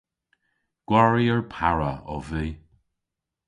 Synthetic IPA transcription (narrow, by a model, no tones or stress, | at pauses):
ɡ̥waɹiəɹpʰaɹəɔ̰viː